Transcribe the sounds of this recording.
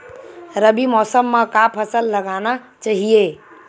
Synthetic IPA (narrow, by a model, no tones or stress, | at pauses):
ɾəbimɔːsəmːãkapʰəsəlːɐɡaːna | t͡ʃaːɦieː